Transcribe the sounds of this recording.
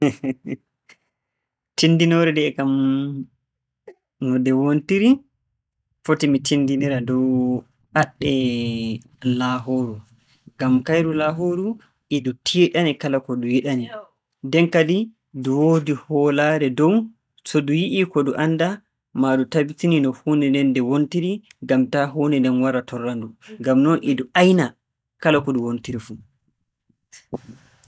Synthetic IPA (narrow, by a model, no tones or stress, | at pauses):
tindinɔɾɛdɛːkam | nɔdɛwontiɾi | fotimitindiniɾadɔw | ʔaɗːɛ | laɦoːɾu | ɡamkajɾulaɦoɾu | ʔidutʰiɗanikalakɔdujiɗani | dɛnkadi | duwoːdihɔlaɾɛdɔw | sɔdujiʔikɔduʔanda | madutabitininɔhunɛndɛndɛwontiɾiɡamtaɦunɛndɛnwaɾatʰɔrːanduɡamnɔnʔiduajna | kalakɔduwontiɾifu